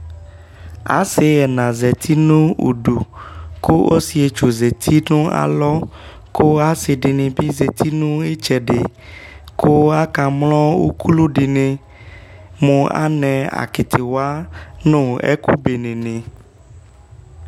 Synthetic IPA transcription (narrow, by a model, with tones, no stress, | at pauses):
a̰˨sɪ˦ɛ˨nã˨zɛ˨t̪ʰi˦nũ˦ṵ˨ɖu˨ko˦o˦si˨e˨t͡ʃo˨ze˨t̪ʰi˦nõ˦a̰˨lɔ˦ | ko˦a˦sɪ˨ɖi˨nẽ˨bi˦ze˨t̪ʰi˦nũ˦e˦t͡ʃɛ˨ɖe˨ | ko˦a˦ka˨mlɔ˦wṵ˦ku˦lu˦ɖi˨nẽ˨ | mõ˨a̰˦nɛ̃˨a̰˨kɪ˨t̪ʰɪ˨wa˦nõ˦ɛ̰˦ku˦be˨nẽ˨nẽ˨